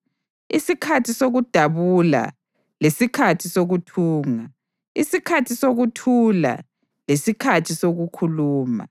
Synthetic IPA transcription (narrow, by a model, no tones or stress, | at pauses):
isikʰatʰisoɣud̥ʱaβula̰ | lesikʰatʰisoɣutʰuːŋa | isikʰatʰisoɣutʰula̰ | lesikʰatʰisoɣukʰuluːma̰